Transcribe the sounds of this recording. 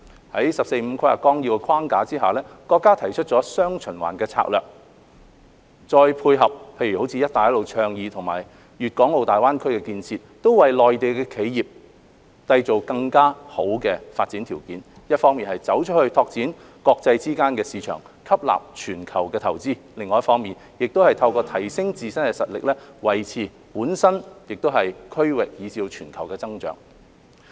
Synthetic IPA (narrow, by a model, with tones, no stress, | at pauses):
hɐ˨˥jsɐ˨p̚se˧jm̩˨˧kʰɐ˥ɐ̰˨kɔː˥ŋji˧wɛ˧kʰwaː˥ŋkaː˨˥t͡siː˥ɦa˨wlɛː˥kɔː˧kːaː˥t̪ʰɐ˨˩jt͡ʃʰɵ˥t̚t͡sɔː˨˥sœː˥ŋt͡ʃʰɵ˨˩nwa̰ː˨˩nkɛː˧t͡sʰa̰ː˧˥k̚lœː˨k̚ | t͡sɔː˧jpʰuː˧jɦɐ˨p̚pʰe˧jɥyː˨˩ho˨˥wt͡sʰiː˧jɐ˥t̚t̪ːaː˨˩jɐ˥tlo˨˧wt͡ʃʰœː˧ŋjiː˨˧t̪ʰo˨˩ŋmaː˨˩j | jyː˨t̚kɔː˨˥ŋlo˨˧wt̪aː˨jwaː˥nkʰɵ˥ɥkɛː˧kiː˧nt͡sʰiː˧t̚t̪o˥wwɐ˨jlɔː˨jt̪e˨jkɛː˧kʰe˨˥jji˨p̚ | t͡sɐ˧jt͡so˨˩wkɐ˧ŋkaː˥ho˨˥wkɛː˧faː˧t̚t͡siː˨˥nt̪ʰiː˨˩wkiː˨˥n | jɐ˥t̚fɔː˥ŋmiː˨nhɐ˨jt͡sɐ˨˥wt͡ʃʰt̚hɵ˧ɥt̪ʰɔː˧k̚t͡siː˨˥n | kɔː˧k̚t͡sɐ˧jt͡siː˥kaː˥nkɛː˧siː˨˧t͡ʃʰœ̰ː˨˩ŋ | kʰɐ˥p̚la̰ː˨p̚t͡ʃʰyː˨˩nkʰɐ˨˩wkɛː˧t̪ʰɐ˨˩wt͡siː˥lɪ˨ŋːɔː˨jɐ˥tfɔː˥ŋmiː˨n | jɪ˨k̚t̪o˥whɐ˨jt̪ʰɐ˧wkɔː˧t̪ʰɐ˨˩jsɪ˥ŋt͡siː˨˧sɐ˥nɛ˧sɐ˨t̚lɪ̰˨k̚lɛː˥wɐ˨˩jt͡sʰiː˨˩ | puː˨˥nsɐ˥njɪ˨k̚t̪o˥wɦɐ˨jkʰɵ˥ɥwɪ˨k̚jiː˨˧t͡siː˧wt͡ʃʰyː˨˩nkʰɐ˨˩wkɛː˧t͡sɐ˥ŋt͡ʃœ̰ː˨˥ŋ